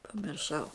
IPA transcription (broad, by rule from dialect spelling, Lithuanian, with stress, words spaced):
pɐmʲɪrˈʃɐʊ